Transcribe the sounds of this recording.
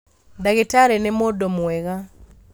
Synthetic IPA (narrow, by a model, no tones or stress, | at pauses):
daɣetaɾɛnemodomwɛɣa